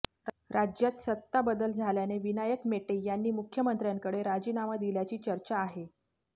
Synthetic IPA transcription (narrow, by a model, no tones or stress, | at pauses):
ɾad͡ʑjat̪sət̪ːabəd̪əld͡zʱaljaneʋinajəkmeʈejanːiːmukʰjəmənt̪ɾjaŋkəɽeɾad͡ʑiːnaʋad̪iljat͡ɕiːt͡ɕəɾt͡ɕaːɦe